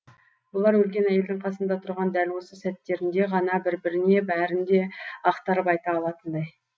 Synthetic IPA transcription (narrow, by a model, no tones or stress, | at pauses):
b̥ʊlˠɑɾwɵlɡʲe̞næjeld̪ɪɴqʰɑsənd̪ɑt̪ʰʊɾʁɑnd̪ælwo̞səsæt̪ːe̞ɾɪnd̪e̞ʁɑnɑbɪɾbɪɾɪne̞bæɾɪnd̪e̞ɑqt̪ɑɾəpɑjt̪ɑːlˠɑt̪ənd̪ɑj